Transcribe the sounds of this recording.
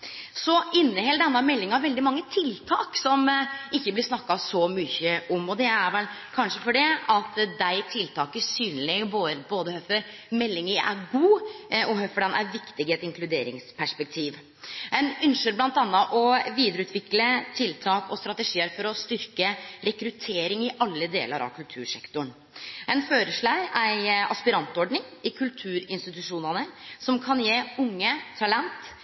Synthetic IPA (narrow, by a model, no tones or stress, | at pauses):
sɔʔɪnːəhɛld̪ɛnːɑmɛlːɪŋɑʋʋɛld̪ɪmɑŋːət̪ʰɪlt̪ʰɑːksɔmɪçːəblɪsnɑkːɑsɔmʏçəʔɔmɔd̪ɛæɾʋɛlkʰɑnʂəfɔɖɛɑt̪d̪æɪt̪ʰɪlt̪ʰɑːkəsyːnlɪboboːd̪əhœfɔɾ | mɛlːɪŋəɾæ̰ɾɡuːɔhœfɔɖ̪ɛnæ̰ɾʋɪkt̪ɪɡɛt̪ɪŋkʰlʉd̪ḛːɾɪ̰ŋspʰæʂpɛk̚t̪ʰiːʋ | ɛnʏnʂəɾblɑnt̪ɑnːəʔɔʋiːd̪əɾəʉːt̪ʰʋɪklət̪ʰɪlt̪ʰɑːkɔst̪ɾɑt̪əʂiːəɾfɔɾɔst̪ʏɾkəɾɛkɾʉt̪ʰeːɾɪŋɪʔɑlːəd̪ḛːlə̰ɾʔɑ̰ʋkʰʉlt̪ʰʉːɾʂɛ̰kt̪ɔɳ | ɛnføːɾəʂlɭɑːɡæɪɑspɪɾɑnt̪ɔɖɳɪŋ | ɪkʰʉlt̪ʰʉːɾɪnst̪ɪt̪ʉʂuːnənəsɔmkʰɑnjeːʊŋːət̪ʰɑlɛnt̪